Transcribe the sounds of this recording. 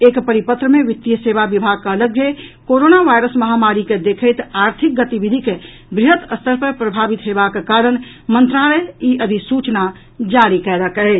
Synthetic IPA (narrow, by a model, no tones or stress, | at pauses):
ekpəɾipət̪ɾəmeʋit̪ːjəsebaʋibʱaɡ̚keələɡʱjəkoɾonaʋajɾəsməɦamaɾiked̪ekʰəjt̪aɾt̪ʰik̚ɡət̪ibid̪ʱike | bɾiɦət̪əst̪ʰəɾpəɾpɾəbʱabit̪ɦebakekaɾəñ | mənt̪ɾaləjiʔəd̪ʱisut͡ʃna | d͡ʒaɾikɛɾəkə